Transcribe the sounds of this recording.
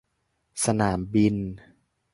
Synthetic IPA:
sa˧naː˩˦mbi˧n

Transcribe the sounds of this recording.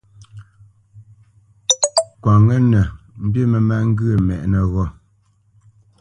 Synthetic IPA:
kwa˨ŋə˦nɛ˨ | m̩˦bji˦mɛ˨ma˦˨ŋ̩˦ɡɨ˦ə˨mɛ̰˨ʔnə˨ɣɔ˦

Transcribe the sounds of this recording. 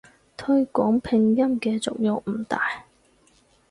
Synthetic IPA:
t̪ʰɵ˧˥ɥkʷɔː˨˥ŋpʰɪ˧ŋjɐ˥mkɛː˧t͡sʊ̰˨k̚jʊ˨ŋ̚m̩˨˩t̪aː˨j

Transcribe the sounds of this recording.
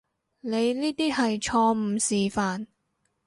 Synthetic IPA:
ne˨˧jniː˥t̪iː˥hɐ˨jt͡ʃʰɔː˧m̩˨˧siː˨˩faː˨n

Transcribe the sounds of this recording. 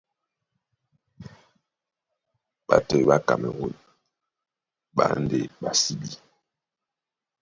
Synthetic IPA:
ɓa˨tɛ˨ɓa˦ka˨mɛ˨ɣo˦˨n | ɓa̰˨˦n˦de˨ɓa˨si˦bi˦

